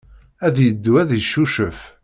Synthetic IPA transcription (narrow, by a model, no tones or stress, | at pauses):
æðjəd̪ːuæðjəʃːuʃəf